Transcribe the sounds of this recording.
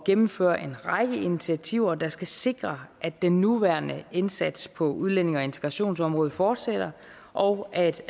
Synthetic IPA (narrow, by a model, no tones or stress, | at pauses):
ɡ̥emm̩fø̰ːɐʔe̝nʁɑ̈ɡ̥əinit͡sʰiæt͡sʰiʊ̰ɐd̥ɑ̈sɡ̥æse̝ɡ̥ʁɐʔæd̥ːenːuʋæɐnəe̝nsæd̥spʰɒ̽uð̞ˠlen̰e̝ŋɒ̽e̝nt͡sʰe̥ʁɑ̈ɕo̝̰ːnsɒ̽mʁɔ̽ːð̞ˠfɒːd̥sed̥ɐ | ʔɒʊʔæd̥